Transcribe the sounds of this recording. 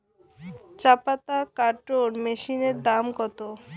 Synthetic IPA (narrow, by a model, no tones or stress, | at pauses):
t͡ɕapat̪akaɾʈoɾmeʃineɾd̪amɡɔt̪o